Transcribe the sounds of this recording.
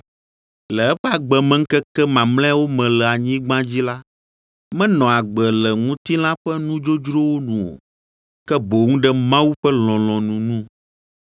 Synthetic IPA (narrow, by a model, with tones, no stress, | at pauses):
lɛ˨ɛ˦ɸɛ˦a˨ɡ͡bɛ˨mɛ̃˦ŋ̩˦kɛ˦kɛ˦mã˨ml̃ɛ̃˦wo˦mɛ̃˨lɛ˨a˨ɲĩ˦ɡ͡bã˦d͡ʑi˦la˦ | mɛ̃˦nɔ̃˨a˨ɡ͡bɛ˨lɛ˨ŋũ˦t̪i˦lã˦ɸɛ˦nũ˦d͡ʒo˦d͡ʒɾo˦wo˦nũ˨o̰˨ | kɛ˦bo˨ŋũ˦ɖɛ˦mã˦wu˦ɸɛ˦l̃ɔ̃˨lɔ̃˨nũ˨nũ˦